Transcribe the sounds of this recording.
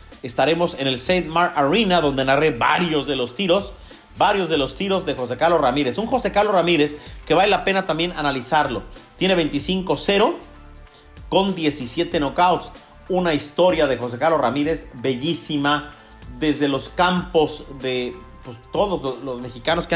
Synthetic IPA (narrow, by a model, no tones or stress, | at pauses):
e̞st̪aɾe̞mo̞se̞ne̞lsejðmaɾaɾinaðo̞nd̪e̞nare̞βa̰ɾjo̞zðe̞lo̞st̪iɾo̞s | baɾjo̞zðe̞lo̞st̪iɾo̞zðe̞xo̞se̞kaɾlo̞ramiɾe̞suŋxo̞se̞kaɾlo̞ramiɾe̞ske̞βalelape̞nat̪ambje̞nanalisaɾlo̞t̪je̞ne̞βe̞jnt̪isiŋko̞se̞ɾo̞ | ko̞nd̪je̞sisje̞t̪enokawt̪s | unaist̪o̞ɾjað̞exo̞s̬e̞kaɾlo̞ramiɾe̞zbe̞ʝisima | ðe̞zðe̞lo̞skampo̞zðe̞ | pwest̪o̞ðo̞zlolo̞zme̞xikano̞skea